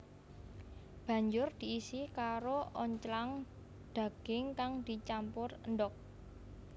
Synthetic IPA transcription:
b̥ä̤ɲd͡ʒʊrd̪̥i̤ːsikaɾoɔɲt͡ʃlaŋ | d̪̥a̤ɡ̥ɪŋkaŋd̪̥i̤t͡ʃampʊrəndɔk̚

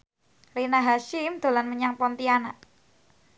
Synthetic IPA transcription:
rinaɦaʃimd̪̥o̤lanməɲaŋpɔnt̪ianaʔ

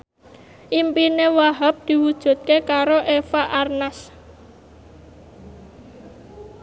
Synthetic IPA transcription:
ʔimpinewaɦap̚d̪̥i̤wud̥ʒ̥ṳt̪̚kekaɾoʔefaʔarnas

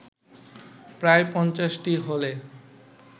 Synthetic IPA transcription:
pɾaepɔnt͡ɕaʃʈiɦole

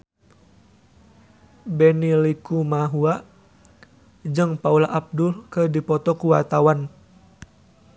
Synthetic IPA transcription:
bɛnilikumaɦuaʔ | d͡ʒɨŋpaulaʔab̚dʊlkədipɔt̪ɔkuwat̪awan

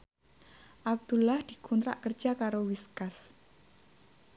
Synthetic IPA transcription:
ʔab̚d̪̥ulahd̪̥i̤kunt̪ɾa̰ʔkər̥d͡ʒ̥akaɾowiskas

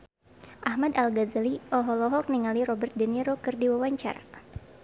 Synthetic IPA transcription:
ʔahmad̪alɡazaliʔɔɦɔlɔɦɔk̚niŋaliɾɔbɛrt̪̚dɛniɾokɨrdiwawaɲt͡ʃa̰ra

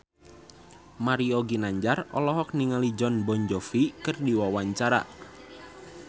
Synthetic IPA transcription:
maɾioɡinaɲd͡ʒarɔ̰lɔɦɔk̚niŋalid͡ʒɔnbɔɲd͡ʒɔfikɨrdiwawaɲt͡ʃaɾa̰

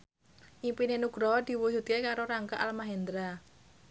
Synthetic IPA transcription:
ʔipinenuɡ̥ɾɔd̪̥i̤wud͡ʒṳt̪̚kekaɾoɾaŋka̰ʔalmaɦend̪ɾa

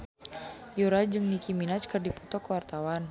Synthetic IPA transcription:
juɾad͡ʒɨŋnikiminat͡ʃkɨrdiput̪ɔkəwart̪awan

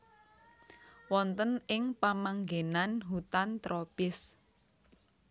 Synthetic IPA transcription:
wɔnt̪ənɪŋpamaŋɡenanɦut̪ant̪ɾopɪs

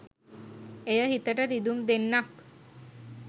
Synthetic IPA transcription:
ejəɦit̪əʈəɾid̪umd̪enːak

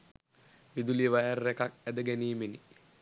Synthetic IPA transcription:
ʋid̪ulijəʋajarːekak̚æd̪əɡæniːmeni

